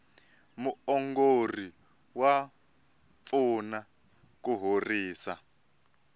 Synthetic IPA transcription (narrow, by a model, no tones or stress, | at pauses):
muɔŋɡori | wa | funa | kuɦoriːsa